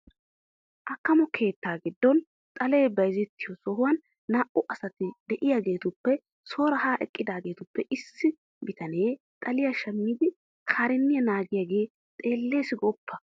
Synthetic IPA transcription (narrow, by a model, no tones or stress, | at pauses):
ʔɐkːɐmɔkʰe̞ːt̪ːaːɡɪd̪ːɔn | t̪ʼɐle̞ːbɐjzɛt̪ːɪjɔsɔɦʊwɐnː | aːʔʊʔɐsɐt̪ɪd̪ɛʔɪjaɡe̞ːt̪ʊpːɛ | so̞ːɾɐɦaːʔɛkʼːɪd̪aːɡe̞ːt̪ʊpːɛʔɪsːɪ | bɪt̪ɐne̞ː | t̪ʼɐlɪjaʃɐmːiːd̪ɪ | kʰaːɾɛnːɪjɐnaːɡɪjaɡe̞ː | t̪ʼe̞ːlːe̞ːsɪɡɔpʰːɐ